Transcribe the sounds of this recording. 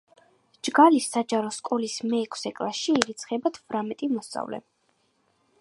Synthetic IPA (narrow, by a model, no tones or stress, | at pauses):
d͡ʒɡalisad͡ʒaɾɔskʼɔlismɛːkʰsɛkʼlaʃiːɾit̪sʰχɛbat̪ʰvɾamɛt̪ʼimɔst̪sʼa̰vlɛ̰